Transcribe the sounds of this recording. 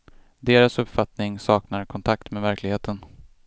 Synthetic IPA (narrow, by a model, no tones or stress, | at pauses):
d̪eːɾasɵpfat̪nɪŋsɑːknaɾkʰɔnt̪ʰakt̪meːvæɾklɪɡheːt̪ʰən